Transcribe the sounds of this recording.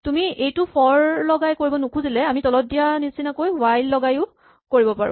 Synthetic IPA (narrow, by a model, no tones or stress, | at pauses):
tumiejtʊpʰɔɹlɔɡajkoɹibɔnukʰũzilɛamitɔlɔt̚dijanisinakojwajlːɔɡajʊ | koɹibɔpaɹʊ̰